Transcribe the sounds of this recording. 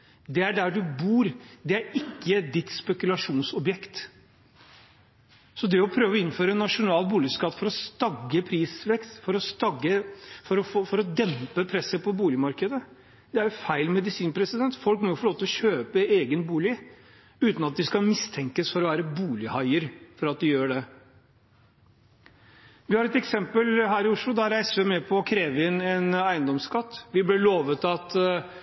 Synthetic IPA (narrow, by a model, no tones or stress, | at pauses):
d̪ɛæɖæɖʉbuːɾd̪ɛæɾɪkːəd̪ɪt̪spɛkʉlɑʂuːnsɔbjɛkt̪ | sɔd̪ɛɔpʰɾøːʋɔɪnːføːɾənɑʂʊnɑːlbuːlɪskɑt̪ːfɔɾɔst̪ɑɡːəpʰɾiːsʋɛkst̪fɔɾɔst̪ɑɡːəfɔɾɔffɔɾɔd̪ɛmpəpʰɾɛsəpʰɔbuːlɪmɑɾkəd̪ə | d̪̥ɛæɾjfæɪlmɛd̪ɪsiːnpʰɾɛsɪd̪ɛnt̪fɔlk̚mɔjʊfɔlɭoːt̪əɔɕøːpəeːɡənbuːlɪ | ʉːt̪nɑt̪̚d̪ɪskɑmɪst̪ʰɛŋkəsfɔɾɔʋæːɾəbuːlɪhɑɪəɾfɔɾɑt̪̚d̪ɪjøːɖɛ | ʋɪhɑːɾɛt̪ɛksɛmpəlɦæːɾɪʊʂlʊd̪ɑɾæɪsəmɛpʰɔːkʰɾeːʋəɪnɛnæɪənd̪ɔmskʰɑt̪ːʋɪblɛloːʋət̪ɑt̪